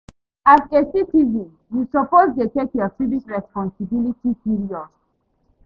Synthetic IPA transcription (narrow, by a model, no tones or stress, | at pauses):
azesitizĩn | jusɔpoztetekjɔfibitɹɛspɔ̃nsibilitipiɹiɔd